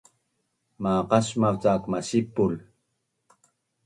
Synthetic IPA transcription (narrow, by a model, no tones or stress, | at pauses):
maqɑʃmawt͡sakmasipːʊl